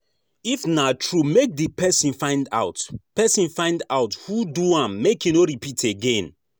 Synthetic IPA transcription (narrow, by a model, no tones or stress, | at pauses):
ifnatɹumek̚dipʰɛsĩnfãɪ̃nda̰ʊtpɛsĩnfãɪ̃ndaʊthuduãmːekĩnoɹipitʰeɡẽn